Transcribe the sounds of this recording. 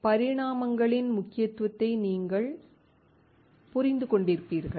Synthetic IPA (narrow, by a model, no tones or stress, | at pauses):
pɐɾɪɽaːmɐŋɡɐɭɪnmʊkːɪjɐt̪ːʋɐt̪ːɐɪniːŋɡɐɭ | pʊɾɪnd̪ɯkɔɳɖɪɾɯpːiːɾɣɐɭ